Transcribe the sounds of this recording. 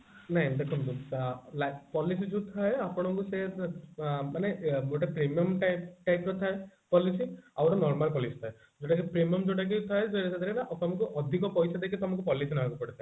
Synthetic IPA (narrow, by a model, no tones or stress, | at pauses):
naɦj̃d̪ekʰɔnd̪ulapɔlisid͡ʒũt̪ʰaeapɔɽ̃ɔkuse | manemoʈapɾimiɔmʈʈajkɔt̪ʰaepɔlisiawɾɔnɔɾmalpɔlisi̥t̪ʰae | d͡ʒoʈak̬ipɾimijɔmd͡ʒoʈak̬it̪ʰaed͡ʒɔɾesʰad̪aɾenaʔɔkɔmaŋkuʔɔd̪ʱikɔpɔjsad̪ekʰit̪ɔmaŋkupɔlisinɔɦakupɔɽit̪ʰa